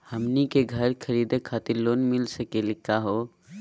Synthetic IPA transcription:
həmnikeɡʱəɾkʰəɾiːd̪ekʰaːt̪ɪɾloːnmɪlsəkelikʰːaɦo

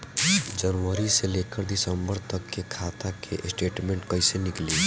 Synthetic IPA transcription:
d͡ʒənʋəɾiseleːkəɾd̪ɪsəmbəɾt̪əkːekʰaːt̪akʰḛʔsʈeːʈmẽːɳʈkəɪsenɪkliː

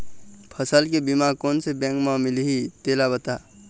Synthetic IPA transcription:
pʰəsəlkebimakoːnsebɛ̃ŋkmãmɪliɦit̪eːlabət̪a

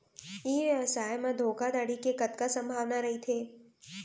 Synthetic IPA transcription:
iːɐsaːjmãd̪ʱoːkad̪aːɽikekɐt̪̚kasə̃mbʱaːʋnaɾɐɦit̪ʰeː

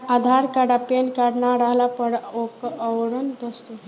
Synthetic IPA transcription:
ad̪ʱaɾkaɽapenkaɾnaɾəɦlapəɾokəwɾənd̪ost̪uɦ

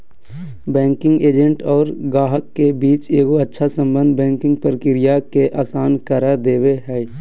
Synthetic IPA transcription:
bɛ̃ːŋkɪ̃ŋɡeːd͡ʒə̃ɳʈɔːɾɡaːɦəkːebiːt͡ʃeːɡoətːʃʰasə̃mbə̃nd̪bɛ̃ːŋkɪ̃ŋɡ̚pɾəkɪɾɪjakeʔaːsaːnkəɾad̪eːweɦɛː

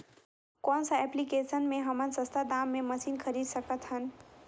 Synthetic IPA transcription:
kɔnsəɛplikesənmeɦəmənsə̃st̪ʰad̪amːeməsinkʰəɾid̪səkət̪ɦən

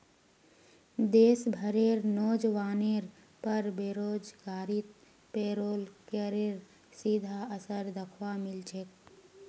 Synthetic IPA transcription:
d̪eːsbʱəɾeɾnoːd͡ʒʋaːneɾ | pəɾbeɾoːd͡ʒɡaːɾit̪̚ | peːɾoːlkeɾeɾ | sid̪ʱaəsəɾd̪əkʰʋamɪlt͡ʃʰek̚

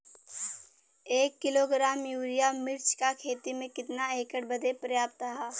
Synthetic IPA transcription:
eːkːɪloːɡɾaːmjuːɾijamːɪɾt͡ʃkakʰeːt̪imẽkɪt̪naeːkəɽbɐd̪ʱepɾɐjaːp̚t̪əɦaː

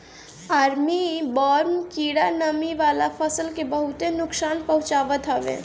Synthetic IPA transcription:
aːɾmibɔːɾmkiːɽanəmiʋaːlapʰəsəlkebəɦʊt̪enʊksaːnpəɦʊ̃t͡ʃaːʋət̪ɦɔʋḛ̃

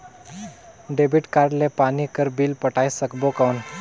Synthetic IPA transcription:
ɖebiʈkaɾɽlepanikəɾbiːlpəʈajsəkbokawn

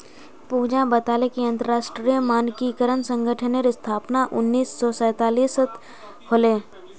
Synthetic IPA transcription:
puːd͡ʒãbət̪aːlekiɐ̃nt̪əɾaːʃʈɾimaːnkikəɾənsə̃ŋɡʱəʈʰəneɾɪst̪ʰaːpnaʔʊnːiːsːɔːsɛ̃ːt̪aːliːsət̪ʰ | holeː

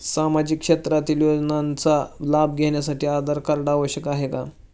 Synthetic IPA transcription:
samad͡ʑikːʂet̪ɾat̪iːljod͡znant͡salab̚ɡʱeɳjas̬aʈiːad̪əɾkəɾɖaʋəɕjəkaɦeka

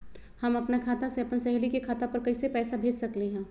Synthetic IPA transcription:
hɐmɐpnakʰaːt̪ãseɐpənsɛɦlikekʰaːt̪apɐɾkɐisepɛːsabʱeːd͡ʒsɐkleɦɛ̃ː

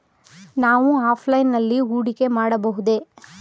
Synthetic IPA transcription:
naːʋuaːpʰlɐjnːɐlːiuːɽike̞maːɽɐbɐɦud̪e̞

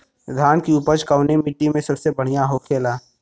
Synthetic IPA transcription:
d̪ʱaːnkiʊpəɾt͡ʃkəʊnemɪʈːimẽsɐbsebəɽ̤ijaɦokʰeːlaː

